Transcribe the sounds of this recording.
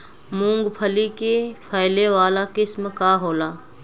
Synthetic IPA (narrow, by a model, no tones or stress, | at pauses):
mũːŋɡpʰəlikepʰajleʋaːlakɪsmkaːɦoːlaː